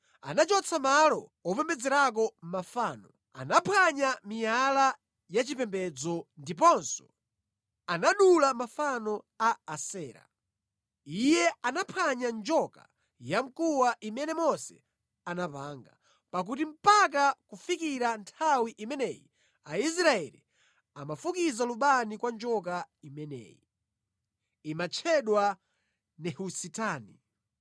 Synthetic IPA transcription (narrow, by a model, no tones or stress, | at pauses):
a̰nat͡ʃɔt͡sʰamalɔɔpɛmbɛd͡zɛɾak̬ɔm̩mafaːnɔ | a̰napʰaɲamijala | jat͡ʃipɛmbɛd͡zɔndip̬ɔnsɔ̥ | anaɗulamafanɔ | aːsɛːɾa̰ | ijɛanapʰaɲand͡ʒɔka̰ | jam̩kuwaʔimɛnɛmɔsɛ̰ | anapaːŋɡa̰ | pak̬ut̬im̩pak̬akufikiɾantʰawiʔimɛnɛjḭ | ais̬ɾaɛlḭ | amafukizaluɓanikwand͡ʒɔk̬aimɛnɛ̰ji | imat͡ʃʰɛɗwa | nɛhusitaːni